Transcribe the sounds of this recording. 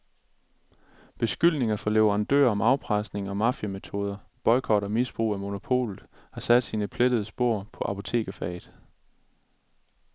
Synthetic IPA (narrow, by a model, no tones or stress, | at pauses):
b̥e̝sɡ̥yl̰ne̝ŋɐfɒ̽leʊɐænd̥ø̰ɐ̰ɒ̽mɑ̈ʊpʰʁasne̝ŋɒ̽mɑ̈fjæme̝t͡sʰo̝ːð̞ˠɐb̥ɒ̽ɪkʰɒ̽ɾɒmisb̥ʁṵːæmo̝no̝pʰo̝̰ːlð̩ˠhɑ̈sæd̥siːnəpʰled̥əð̞̩ˠəsb̥o̝ɐ̰pʰɒ̽ʔɑpʰo̝t͡sʰe̝̰ːɡ̥æfɛ̰ð̥̩ˠ